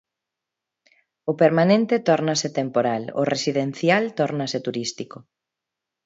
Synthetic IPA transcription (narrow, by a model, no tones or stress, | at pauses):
ʊpeɾmanẽnt̪et̪ɔɾnaset̪empoɾalo̰resiðen̟θjalt̪ɔɾnaset̪uɾist̪iko